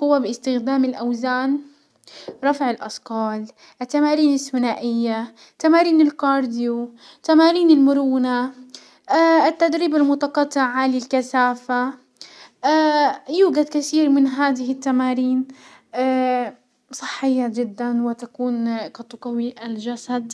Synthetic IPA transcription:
qʊwːabɪɪst̪ɪxd̪aːmɪlʔawzaːn | ɾˤɑfʕɪlʔɑsqɑːl | ʔɪt̪ːamaːɾiːnɪθːʊnaːʔɪjːa | t̪amaːɾiːnɪlkɑːɾˤd̪ɪju | t̪amaːɾiːnɪlmʊɾuːna | ɪt̪ːad̪ɾiːbalmʊt̪ɑqɑt̪ˤːɪʕʕalɪlkasaːfa | juːɡad̪kaθiːɾmɪnɦaːd̪ɪɦɪt̪ːamaːɾiːn | a | sˤɨ̥ħːɪjːad͡ʒɪd̪ːanwɪt̪akuːnkɑt̪ʊqɑwiʔalʒasad̪

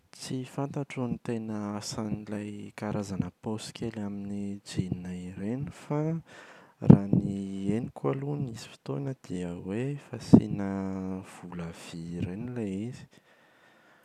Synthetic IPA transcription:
t͡sifant̪aʈ͡ʂonit̪enəasanilajkaɾʔazanəposkʲelaminid͡ʒininaiɾenufa | ranienikʰualunizi̥fi̥t̪onəd̪̥iəwefasḭnəv̥uləv̥iɾenileizi̥

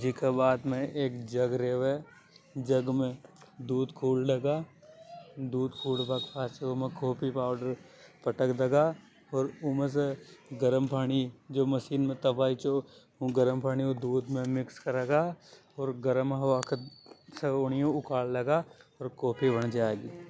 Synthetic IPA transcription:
d͡ʒikebaːd̪mẽeːkd͡ʒəɡɾeːʋe | d͡ʒəɡmẽd̪uːd̪kʰuːlɖɐɡaː | d̪uːd̪kʰuːlbakpʰaːt͡ʃeomẽkoːpipaːʊɖəɾ | pəʈəkd̪əɡaː | ɔːɾʊmə̃s̬eɡəɾəmpʰaːɽ̃id͡ʒoːməʃiːnmẽt̪əbaːit͡ʃoː | ɡəɾəmpʰaːɽiod̪uːd̪mẽmɪkskəɾeːɡaː | ɔːɾɡəɾəmɦɐʋaːkeseʊnɪjõʊkaːllɐɡaɔːɾkoːpʰibəɳd͡ʒaːeɡiː

